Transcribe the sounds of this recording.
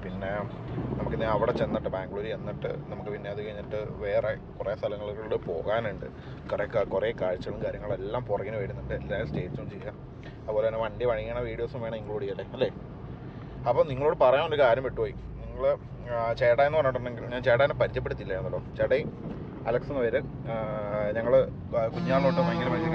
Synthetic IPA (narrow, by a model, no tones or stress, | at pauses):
pinːe̞ | nɐmukːɨniɐʋiɽet͡ɕe̞nːiʈːɨbaːŋɡɭoːɾienːiʈːɨ̰nɐmukːɨpinːeːɐðukɐɻiɲːiʈːɨʋe̞ːrekureːst̪ʰɐlɐŋːɐɭɣɐɭuɽɨpo̞̰ːɣaːnuɳɖɨ̰ | kureːkakurekaːɻt͡ɕːɐɣɐɭumkaːɾjɐŋːɐɭe̞lːaːmpurɐkːɐnuʋeːɾunːuɳɖɨelːaːsʈe̞ːt͡ɕːuumt͡ɕejːaː | ɐðɨpo̞ːlenːeʋɐɳɖiʋɐɻieɳɐʋiːɽijoːsumʋeːɳɐniŋːɐɭoːɽijːɐlːeɐlːeː | ɐpːoːniŋːɐɭoːɽɨpɐrɐjaːnoɾɐkaːɾjɐmpeʈːupoːji | niŋːɐɭ | t͡ɕe̞ːɽaenːɨpɐrejoɳːuɳɖeŋɡiluɲaːnt͡ɕeːɽaːnːepɐɾit͡ɕːɐpːeɽut̪ːilːɐenːɐlːoːt͡ɕeːɽɐji | ɐlɐksenːɨʋɐɾɨ | ɲɐŋːɐɭ | kuɲːaːɭoːʈːɨmɐŋːɡɐlɐmɐi